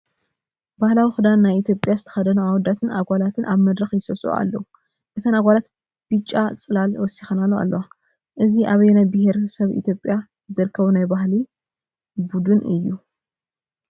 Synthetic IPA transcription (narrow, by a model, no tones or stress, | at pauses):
b̥ahlawixɨd̪anːajit̪ʰjo̞pʼjazɨt̪ʰɐ̥xɐd̪ɐnuawɔd̪at̪ʰɨnʔaɡʷalat̪ʰɨnʔaβmɐd̪ɾɐxjɪsɐsʼṵa̰lːɐwu | ʔɨt̪ʰanaɡʷalat̪ | b̥ɨt͡ʃʼːat͡sʼɨlalwɔsixɐnalːoa̰lːɐwa | ʔɨziʔaβjnajbɨheɾsɐβḭt̪ʰjopʼja | zɐɾɨkʰːɐβunajbahli | bud̪unɨjːu